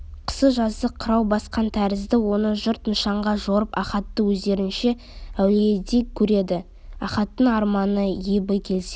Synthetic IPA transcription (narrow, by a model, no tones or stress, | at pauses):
qʰə̥səʒɑzd̪əqʰəɾɑwbɑsqɑnt̪ʰæɾɪzd̪ɪwo̞nəʒʊɾt̪nəʃɑɴʁɑʒoɾəpɑχɑt̪ːəwɵzd̪e̞ɾɪnʃe̞ | æwleed̪ekkʲʰːɵɾe̞d̪ɪ | ɑ̰χɑt̪ːəɴɑɾmɑnəjebəkʲʰe̞lse